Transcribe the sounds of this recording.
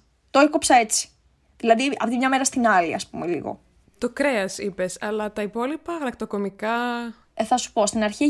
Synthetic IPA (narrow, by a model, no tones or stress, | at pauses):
t̪oekopsɐe̞t͡si̥ | ðilɐðiɐ̰ft̪imɲɐme̞ɾɐst̪inɐlḭɐ̰spumelḭɣo̰ | t̪o̞kɾe̞ɐsipe̞sɐlɐt̪ɐipo̞lipɐɣɐlɐkt̪oko̞mikɐ | θɐsu̥po̞st̪inɐɾçi